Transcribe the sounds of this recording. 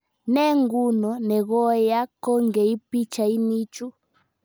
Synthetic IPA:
nɛ˦ŋɡu˦nɔ˨nɛ˨ɣɔ˦ja˦kɔ˦ŋɡɛ˨i˦pi˦t͡ʃa˨i˦ni˦t͡ʃu˦

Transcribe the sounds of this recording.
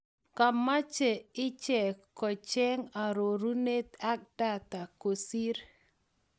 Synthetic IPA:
ka˨ma˦t͡ʃe˨ɪ˦t͡ʃɛ˨kɔ˨t͡ʃɛ˦ŋa˨ɾo˨ɾu˦ne˦t̪a˦k̚da˦t̪a˨ko˨si˦ɾ

